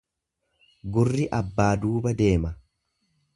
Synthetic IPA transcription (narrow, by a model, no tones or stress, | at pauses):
ɡʊrːɪʔɐbːaːd̪uːbɐd̪e̞ːmɐ